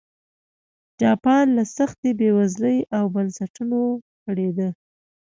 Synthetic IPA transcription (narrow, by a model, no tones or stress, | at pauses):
d͡ʒɑpɑnlasaxt̪ebewazləjawbansaʈuno | kəɽed̪ə